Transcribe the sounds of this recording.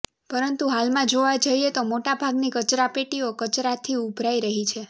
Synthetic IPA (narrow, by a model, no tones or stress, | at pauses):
pəɾənt̪uɦalmãd͡ʒoʋad͡ʒəiet̪omoʈabʱaɡnikət͡ʃɾapeʈiokət͡ʃɾat̪ʰiubʱɾaiɾəɦit͡ʃʰe